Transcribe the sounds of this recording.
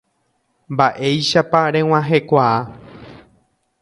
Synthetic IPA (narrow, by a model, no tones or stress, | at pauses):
mbaʔe̞jʃapaɾẽw̃ãɦe̞kʷaa